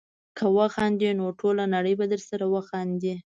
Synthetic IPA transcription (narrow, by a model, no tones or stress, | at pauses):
kʰəwaxɑnd̪inoʈʰolanaɽəjbad̪əɾsaɾawaxɑnd̪i